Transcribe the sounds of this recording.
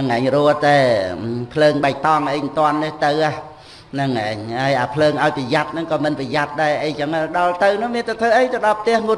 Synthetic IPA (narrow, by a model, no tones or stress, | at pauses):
nɨŋʔaɛŋruət̪aɛpʰləːŋɓaɛk̚t̪ɑŋʔəjnt̪ŏənːet̪ɨwʔah | nɨŋʔa̰ɛŋhaəjʔaːpʰləːŋʔaɔjpəjat̪̚nɨŋkɑːmɨnpəjat̪̚ɗaɛʔəjt͡ɕəŋaɗɑlt̪ɨwnɨ̆əŋmiənt̪at̪ʰəːʔəjt̪əɗɑlp̚ʰt̪ɛ̆əhŋut̪